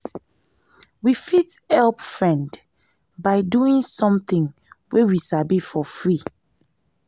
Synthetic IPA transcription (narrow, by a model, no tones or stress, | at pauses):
wifithɛlpfɹɛ̃nd | baɪduĩŋsɔ̃mθĩŋwewisabifɔfɹi